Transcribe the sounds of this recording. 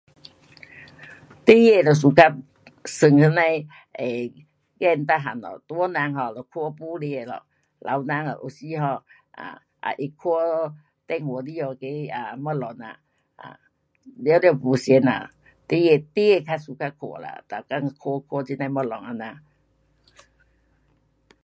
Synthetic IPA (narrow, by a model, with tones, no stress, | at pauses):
t̪i˦je˧˨lɔ˧˩s̬u˧ka˧˥p̚ | sɨ˧ŋtʰɯ˧˦na˧j | e˨ | kɛ˧˨nt̪a˧ɦa̰˨nɔ̰˨t̪u˧˦ə˦na˧ŋhɔ˧lɔ˧˩kʰu˧pu˧˦li˧e˧˨lɔ̰˨ | lʔa̰˨˧˦wna˧ŋa̰˨ʔo˧si˧˦ɦɔ˧ | ʔa̰˨ | ʔa̰˨ʔe˧kʰu˧˦ə˧ | t̪ɛ˧˨ŋhu˨˦di˧˦jɔ˧˨ke˧˦a˨˩mɔ˧lɔ˨˦na̰˨ | ʔa̰˨ | llɛ˧˨pu˧se˧˦na̰˨ | t̪i˦e˧t̪i˦e˧kʰa˧su˧ka˧kʰo̰˨la̰˨t̪a˨˩ka˧ŋ˧kʰu˧˦kʰu˧˦˧i˧na˧˨jmɔ˧lɔ˨ŋa˧˨na˧˨